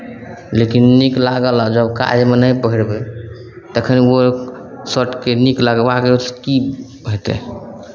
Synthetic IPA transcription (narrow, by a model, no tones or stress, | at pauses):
lekinːiklaɡəlad͡ʒəbka̰jmənəjpəɦiɽbe | t̪əkʰənio | səʈkeniklaɡəbakekibɦet̪ɛ̰